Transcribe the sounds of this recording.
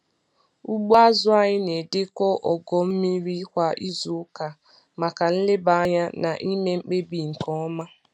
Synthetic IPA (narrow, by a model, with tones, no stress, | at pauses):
u˦ɡ͡bo˦a˦zʊ˦a˨ɲɪ˦ne˨dɪ˦kɔ˦ʔɔ˨ɡɔ˨m̩˦mi˦ɾi˦kʷa˦ʔi˦zu˨˦ka˨ | ma˨ka˨n̩˦lɪ˦ba˨˦ɲa˦na˨ʔi˦me˦ŋ͡m̩˦k͡pe˦bi˨ŋ̩˨kɔ˦ma˦